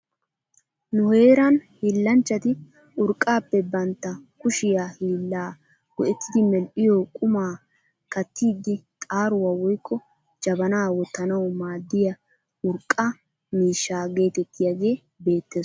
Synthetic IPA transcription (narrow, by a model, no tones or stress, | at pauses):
nʊhe̞ːɾɐnhiːlːɐnt͡ʃːɐt̪ɪ | ʊɾkʼːaːpːɛbɐnt̪ːɐkʊʃɪjaːhiːlːaː | wɔʔɛt̪ːɪd̪ɪmɛlʔɪjoːkʼʊmaː | kɐt̪ːiːd̪ɪt̪ʼaːɾʊwawɔjkʰːɔ | d͡ʒɐbɐnaːwɔt̪ːɐnɐwmaːd̪ːɪjɐ | ʔʊɾkʼːɐ | miːʃːaːɡe̞ːt̪ɛt̪ːɪjaːɡe̞ː | be̞ːt̪ːeːs